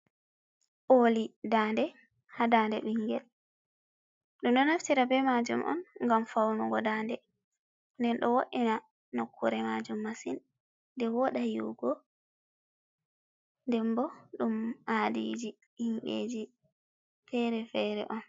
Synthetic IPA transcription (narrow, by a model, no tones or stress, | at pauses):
ʔolidandɛ | hadandɛ̰ɓiŋɡɛl | ɗumɗɔnaftiɾabɛmad͡ʒumʔɔ̰nŋɡamfawnuɡɔdandɛ | ndɛnɗɔwoɗina | nɔkʰːuɾɛmad͡ʒumːasinː | dɛwɔɗajṵɡɔ | ndɛmbɔɗumadḭd͡ʒi | himɓḛd͡ʒi | fɛɾɛfɛɾɛ̰ʔɔn